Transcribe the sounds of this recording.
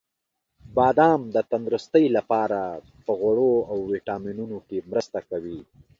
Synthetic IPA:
bɑːd̪ɑmd̪ət̪and̪ɾʊst̪əjlapɑɾa | pəɣwaɽoawːiʈɑminunokemɾəst̪akawi

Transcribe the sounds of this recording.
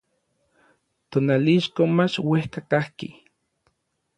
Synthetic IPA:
t̪onaliʃkomat͡ʃwehkakahkḭ

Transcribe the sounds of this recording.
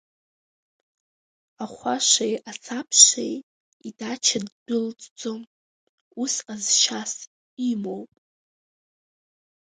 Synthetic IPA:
aχʷaʃʷajat͡sʰapʰʃḛj | idat͡ʃʰadːɨlt͡sʼd͡zʼom | usqʼazʃas | imowpʼ

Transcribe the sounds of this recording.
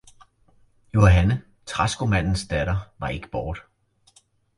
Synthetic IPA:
jo̝ɦænə | t͡sʰʁɑ̈sɡ̥omæn̰n̩sd̥æɾ̥ɐʋɑ̈e̝ɡ̥ə̥b̥ɒːd̥

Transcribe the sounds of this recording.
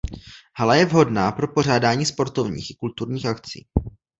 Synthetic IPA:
halajɛvɦo̞dnaːpɾo̞po̞r̝aːdaːɲiːspo̞ɾt̪o̞vɲḭːxɪkult̪uɾɲiːxʔakt͡sḭː

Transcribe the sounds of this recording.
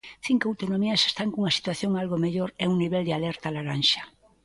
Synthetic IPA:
θiŋkoawt̪onomiase̥st̪aŋkuŋasi̥t̪waθjoŋalɣomeʎoɾɛuŋniβɛld̪ealɛɾt̪alaɾanʃḁ

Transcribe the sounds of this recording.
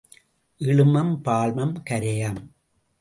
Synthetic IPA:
ʔɪɻɯmɐmpaːɭmɐmkɐɾejɐm

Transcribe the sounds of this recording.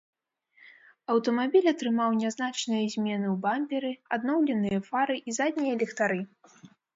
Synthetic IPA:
ɐwt̪ɐmabʲilʲɐt̪ɾɨmawnʲaznat͡ʂnɨjɐzʲmʲɛnɨwbamʲbʲɛɾɨad̪nɔwlʲɛnɨjɐfaɾɨʔizad̪ʲnʲijɐlʲɛxt̪aɾɨ

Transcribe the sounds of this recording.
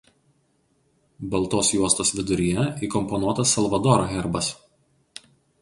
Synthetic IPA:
bɐlˠˑt̪oːsjuɔst̪oːsʋʲɪd̪ʊɾʲijɛiːkɔmpɔnuɔt̪ɐsːɐlˠʋɐd̪ɔːɾoɣʲɛɾbɐs

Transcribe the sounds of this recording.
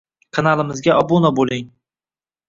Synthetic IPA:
kʰanalˠɪmɪzɡʲaʔɒbunabolɪŋ

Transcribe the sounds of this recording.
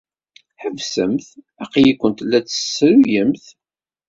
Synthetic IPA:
ħəvsəmθ | æqjikʷːənt̪lːæt͡sːə̥sːɾujəmθ

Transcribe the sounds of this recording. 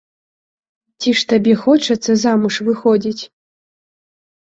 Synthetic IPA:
tʲiʂt̪abʲɛxɔt͡ʃɐt̪sːɐzamuʂvɨxɔdʲit͡sʲ

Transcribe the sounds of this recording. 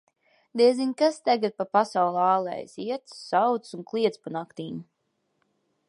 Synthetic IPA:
d̪ɛzinkast̪aɡat̪̚papasawlˠaːlˠɛ̰jsiɛt̪ssawt̪sunklˠiɛt̪spanakt̪iːɲu

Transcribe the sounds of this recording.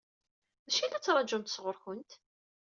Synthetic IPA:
ðæʃinæt͡sːɾˤɑd͡ʒʊmt̪əsʁʊɾçʊnt̪

